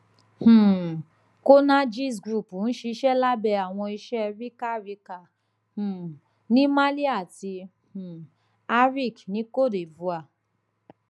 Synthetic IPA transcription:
h̩˨ | ko˦nã˦d͡ʒi˦˨s̬ɡɾu˦˨pu˨ñ̩˦ʃe˧i˧˦ʃɛ˦la˦bɛ˧a˨w̃ɔ̃˧i˧ʃɛ˦˧ɾi˦ka˦˨ɾi˧˦ka˨ | hũ˨ | nĩ˦mã˦li˦a˦˨ti˧ | hũ˨ | a˦ɾi˦˨knĩ˨˦ko˦˨de˨vu˧˦a˦˨

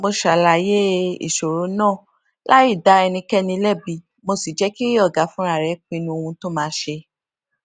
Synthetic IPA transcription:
mo˧ʃa˨la˨je˦ḭ˨ʃo˨ɾo˨˦nɔ̃ː˦˨ | la˦i˦˨da˨˧˦ɛ˧nĩ˧kɛ˦nĩ˧lɛ˦˨bi˧˨ | mo˧si˨d͡ʒɛ˨˦ki˦ɾi˦ɔ˦˨ɡa˨˦fũ˦ɾa˦˨ɾɛ˨˦k͡pĩ˧nũ˧o˧ũ˧to˦mãː˧˦ʃe˧

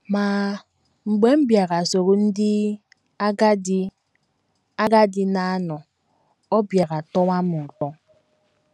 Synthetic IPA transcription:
ma˨ | ŋ͡m̩˨ɡ͡be˨˦m̩˦bja˨ɣa˨so˨ɾu˦n̩˦dɪ˦ | a˦ɡa˦d | a˦ɡa˦dɪ˦na˨a˦nɔ˨ | ɔ˦bja˨ɣa˨tɔ˦wa˦mʊ˨tɔ˦

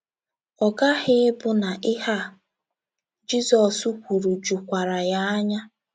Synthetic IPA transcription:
ɔ˨ɡa˦hɪ˦ɪ˦bʊ˦na˨ʔɪ˦ha˦˨ | d͡ʒi˦zɔ˨su˦kʷu˨ɾu˨d͡ʒu˨kʷa˨ɾa˨ja˦a˦ɲa˦

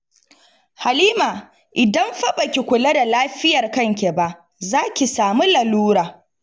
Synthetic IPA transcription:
ha˨liː˦maː˨ | ʔɪ˨dɐ˦mɸɐ˦ɓɐ˨kʲi˨kʷʊ˨lɐ˦da˨laː˦ɸɪ˦jɐ˨rkɐ˦ŋkʲe˨ba˦ʔ | zaː˦kʲi˨saː˨mi˦lɐ˨luː˦ɾaː˨

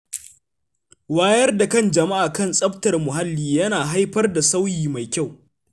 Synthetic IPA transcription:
waː˦jɐ˦rda˨kɐ˦˨nd͡ʒɐ˨ma˦ʔaː˨kɐ˦˨nsʼɐ˦btɐ˨rmʊ˨ɦa˦lːiː˦jɐ˦naː˨ɦa˦jɸɐ˦rda˨sa˦wjiː˨ma˨jkʲa˦˨w

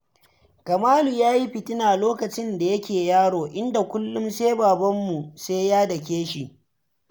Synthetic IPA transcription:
kɐ˨maː˦lu˨jaː˦ji˦ɸɪ˨tɪ˦naː˨loː˦kɐ˨t͡ʃɪ˦nda˨jɐ˦kʲeː˨jaː˦ɽoː˨ʔɪ˦nda˨kʷʊ˦lːʊ˦mseː˦baː˨bɐ˦mːu˨seː˦jaː˦dɐ˨k̬ʲeː˦ʃi˨ʔ

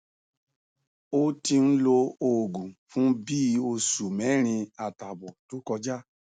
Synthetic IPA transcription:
o˦tĩ˧n̩˦lo˧o˨ɡũ˨fũ˦bi˦o˧su˨mɛ˨˦ɾ̃ĩ˧a˨ta˨bɔ˨to˨˦kɔ˧d͡ʒa˦

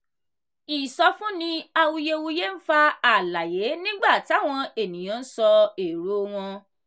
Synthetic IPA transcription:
i˨sɔ˧fũ˦nĩ˧a˧wu˧je˧wu˧je˦n̩˦fa˧a˦˨la˨je˨˦nĩ˦ɡ͡ba˦˨ti˨˦a˦˨w̃ɔ̃˧e˦˨nĩ˨j̃ã˨˦n̩˦sɔ˧e˨ɾo˦w̃ɔ̃˧

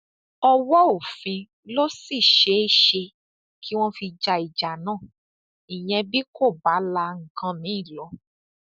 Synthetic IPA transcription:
ɔ˧wɔ˦o˦˨fĩ˧ | lo˦si˦˨ʃe˨˦ʃe˧ | kʰi˦w̃ɔ̃˦fi˧d͡ʒa˧i˨d͡ʒa˨nãː˦˨ | ĩ˨j̃ɛ̃˧bi˦kʰo˦˨ba˨˦la˧ŋ̩˨kã˧mĩ˨˦i˦˨lɔ˨˦

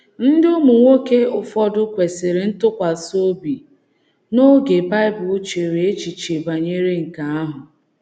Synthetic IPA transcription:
n̩˦dɪ˦ʊ˦mu˨ŋʷo˦ke˦ʊ˨fɔ˦dʊ˦kʷe˨sɪ˨ɾɪ˨n̩˦tʊ˦kʷa˨so˦bi˨ | no˦ɡe˨ba˦ɪ˦bʊ˨˦t͡ʃe˨ɾe˨e˦t͡ʃi˨t͡ʃe˨ba˨ɲe˦ɾe˦ŋ̩˨ka˦a˦ɦʊ˨

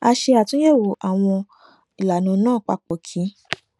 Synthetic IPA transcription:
a˧ʃe˧a˨tũ˦je˦˨wo˨ʔa˨w̃ɔ̃˧ | i˨la˨nũ˨˧˦nãː˦˨k͡pa̰˧k͡po˨kʰi˨˦

